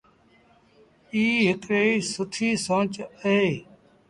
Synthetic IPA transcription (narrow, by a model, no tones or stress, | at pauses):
iːɦɪkɽeːsʊʈʰiːsõːt͡ʃəɦeː